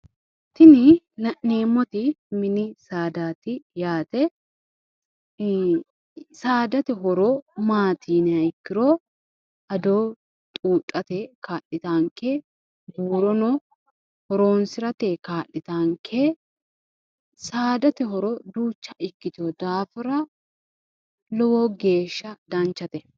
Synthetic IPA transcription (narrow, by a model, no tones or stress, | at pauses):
t̪ɪnɪ | nɐʔeːmːɔt̪ɪmɪnɪsaːd̪aːt̪ɪjaːt̪ɛ | saːd̪ɐt̪ɛɦɔɾoːmaːt̪iːnɐɪkːɪɾoː | ɐd̪oː | t̪ʼuːt̪ʼːɐt̪ɛkaːʔɪt̪aːŋkeː | buːɾɔnoː | hɔɾo̞ːnsɪɾɐt̪eːkaːʔɪt̪aːŋkʰeː | saːd̪ɐt̪ɛɦɔɾoːd̪uːt͡ʃːɐɪkːɪt̪ɪɔd̪aːfɪɾɐ | lɔwoːɡe̞ːʃːɐd̪ɐnt͡ʃːɐt̪ɛ